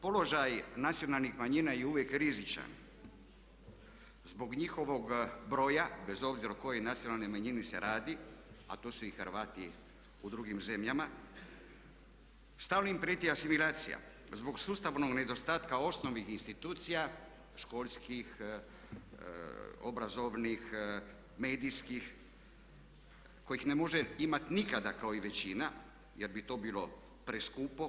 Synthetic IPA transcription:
po̞lo̞ʒajnat̪sijo̞nalˠnixmaɲinajeuʋjekɾizit͡ʃa̰n | zbo̞ɡɲixo̞ʋoɡbɾo̞jabe̞zo̞bziɾoko̞je̞jnat̪sio̞nalnejmaɲinisḛɾaːd̪ia̰t̪osuixəɾʋaːt̪i | ud̪ɾuɡimze̞mʎama | st̪aːʋnimpɾet̪iasimilaːt̪sḭja̰ | zbo̞ɡsuːst̪aʋno̞ɡne̞d̪o̞st̪aːt̪kao̞sno̞ʋnixinst̪it̪uːt̪sija | ʃko̞ːlʲskix | o̞̰bɾazo̞ʋnix | me̞ːd̪iskix | ko̞jixnemo̞ʒeimat̪inikad̪akaoiʋe̞t͡ɕina | jeɾbit̪o̞biːlo̞ | pɾeskupo

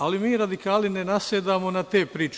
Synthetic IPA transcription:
alimiːɾad̪ikaːlninenaseːd̪aːmo̞nat̪eːpɾiːt͡ʃ

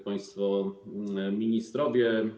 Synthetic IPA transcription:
paj̃st̪fɔ | mʲiɲist̪ɾɔvʲjɛ

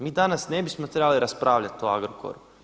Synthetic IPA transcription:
miːd̪anasnebismot̪ɾebaliɾaspɾaːʋʎat̪ːoa̰ɡɾoko̰ɾu

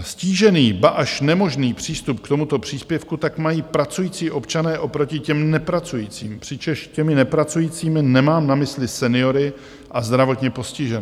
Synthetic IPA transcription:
sciːʒɛniːbaʔaʃnɛmo̞ʒniːpr̝̥iːst̪up̚kt̪omut̪o̞pr̝̥iːspjɛfkut̪akmajiːpɾat͡sujiːt͡siːʔo̞pt͡ʃanɛːʔo̞pɾo̞cɪcɛmnɛpɾat͡sujiːt͡siːmpr̝̥ɪt͡ʃɛʃcɛmɪnɛpɾat͡sujiːt͡siːmɪnɛmaːmnamɪslɪsɛnɪo̞ɾɪ | ʔazd̪ɾavo̞t̪ɲɛpo̞scɪʒɛn

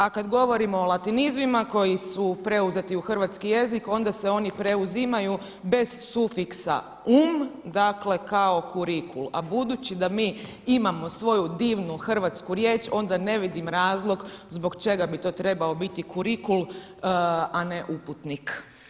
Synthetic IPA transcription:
akad̪ɡo̞ʋo̞ɾimoolat̪inizmimako̞jisupɾe̞uze̞t̪iuxrʋat̪skije̞ziko̞nd̪ase̞o̞nipɾe̞uzimaju | be̞zsufiksa̰ | umd̪akle̞kao̞kuɾikʰulˠabud̪ut͡ɕid̪amiː | imamo̞sʋo̞jud̪iːʋnuxr̩ʋat̪skuɾje̞ːt͡ʃo̞nd̪ane̞ʋid̪imɾaːzlˠo̞ɡzbo̞ɡt͡ʃe̞ɡabit̪o̞ːt̪ɾe̞bao̞bit̪ikʰuɾikul | ane̞ʔuput̪nik

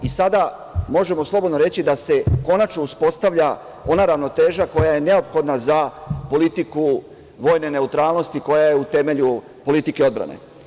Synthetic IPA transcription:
isad̪a | mo̞ʒe̞mo̞slˠo̞bod̪no̞ɾe̞t͡ɕid̪ase̞ko̞nat͡ʃno̞uspo̞st̪aʋʎa | o̞naɾaʋno̞t̪e̞ːʒako̞jaje̞ne̞o̞pxo̞d̪nazapo̞lit̪iku | ʋo̞ːjne̞ne̞ut̪ɾaːlˠno̞st̪iko̞jaje̞ut̪e̞me̞ʎu | po̞lit̪ike̞o̞d̪bɾa̰nḛ

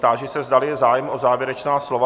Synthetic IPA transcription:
t̪aːʒɛsɛzd̪alɪjɛzaːjɛmʔozaːvjɛɾɛt͡ʃnaːslova

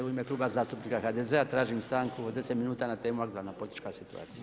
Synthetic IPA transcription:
uimeklˠuːbazaːst̪upnikaxaːd̪ezeat̪ɾaːʒimst̪aːŋkuod̪eset̪minuːt̪aːnat̪eːmuaɡd̪aɾnapo̞lit̪it͡ʃkasit̪ṵa̰ːt̪sija

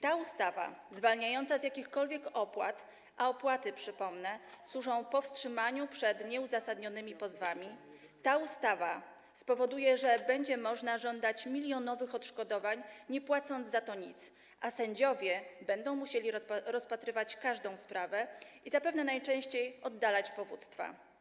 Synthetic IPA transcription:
t̪aust̪ava̰zvalɲajɔnt̪sazʲjakʲixkɔlvʲjɛkɔpwa̰t̪ | ʔaɔpwat̪ɘpʂɘpɔmnɛswuʐɔ̃w̃pɔfstʂɘmaɲupʂɛd̪ɲɛuzasad̪ɲɔnɘmʲipɔzvamʲi | t̪aust̪ava | spɔvɔd̪ujɛʐɛbɛɲd͡ʑɛmɔʐnaʐɔnd̪at͡ɕmʲilʲjɔnɔvɘxɔt̪ʂkɔd̪ɔvaɲɲɛpwat̪sɔnd̪zzat̪ɔɲit̪s | ʔasɛɲd͡ʑɔvʲjɛbɛnd̪ɔ̃w̃muɕelʲiɾɔspat̪ɾɘvat͡ɕkaʐd̪ɔ̃w̃spɾavɛʔizapɛvnɛnajt͡ʂɛ̃w̃ɕt͡ɕejɔd̪ːalat͡ɕpɔvṵt̪st̪fa̰

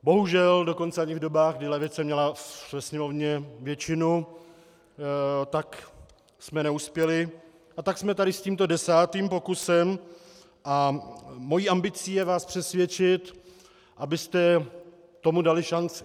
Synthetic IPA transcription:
bo̞ɦuʒɛldo̞ko̞nt͡sɛaɲɪvdo̞baːxɣɡ̚dɪlɛvɪt͡sɛmɲɛlavɛsɲɛmo̞vɲɛvjɛt͡ʃɪnu | t̪ak | smɛnɛuspjɛlɪ | ʔat̪aksmɛt̪aɾɪsciːmt̪o̞dɛsaːt̪iːmpo̞kusɛm | ʔamo̞jiːʔambɪt͡siːjɛvaːspr̥ɛsvjɛt͡ʃɪt̪ | ʔabɪst̪ɛ | t̪o̞mudalɪʃant͡sɪ

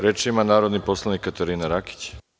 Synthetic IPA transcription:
ɾet͡ʃiimanaːɾod̪nipo̞slˠanikːat̪eɾiːnaɾaki̥t͡ɕ

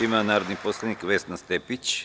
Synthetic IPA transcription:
imanaːɾod̪niposlˠenikʋesnast̪epit͡ɕ

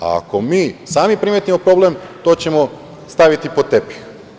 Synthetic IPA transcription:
a̰ko̞miːsaːmipɾimet̪imo̞pɾo̞blemt̪o̞ːt͡ɕe̞mo̞ | st̪aʋit̪ipo̞t̪e̞pi̥x

